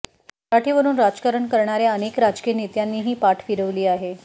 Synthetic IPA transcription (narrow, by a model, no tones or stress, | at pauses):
kaʈʰiːʋəɾuːnɾad͡zkaɾəɳkəɾɳaɾjaənekɾad͡zkiːjənit̪janːiːɦiːpaʈfiɾəʋliːaɦe